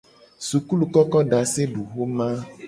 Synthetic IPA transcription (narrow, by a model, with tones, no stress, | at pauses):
su˨ku˦lu˨kɔ˦kɔ˦ɖa˨se˦ɖu˨xo˦mã˦